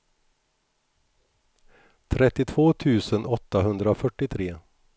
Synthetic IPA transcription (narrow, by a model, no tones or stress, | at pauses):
t̪ʰɾɛt̪ːɪt̪ʰvoːt̪ʰʉ̟ːsənʔɔt̪ːaɦɵnd̪ɾafœʈːɪt̪ʰɾeː